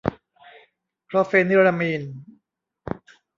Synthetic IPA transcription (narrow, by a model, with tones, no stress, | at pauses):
pʰɾɔ˦fe˧ni˧ɾa˧miː˧n